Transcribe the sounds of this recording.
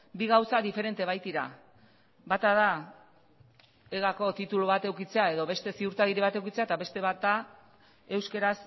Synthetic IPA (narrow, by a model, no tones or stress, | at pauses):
biɣawsaðife̞ɾe̞nt̪e̞β̞ajt̪iɾa̰ | bat̪að̞a | eɣako̞t̪it̪uluβat̪e̞wkit͡se̞ae̞ðo̞βe̞st̪e̞siuɾt̪aɣiɾiβat̪e̞wkit͡se̞at̪aβe̞st̪e̞βat̪a | e̞wske̞ɾas